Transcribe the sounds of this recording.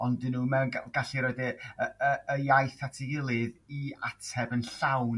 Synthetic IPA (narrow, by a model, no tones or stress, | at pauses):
ɔndɪnumɛnaɡaɬiɾɔdɛəəəjajθatʰɪɡɪlˠɨðiatʰɛbənɬawn